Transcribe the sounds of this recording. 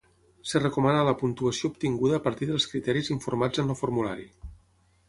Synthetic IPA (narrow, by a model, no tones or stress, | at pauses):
sərəkumanaləpunt̪uəsioup̚t̪iŋɡuðəːpəɾt̪iðəlˠskɾit̪ɛɾiziɱfuɾmad͡zənləfuɾmula̰ɾi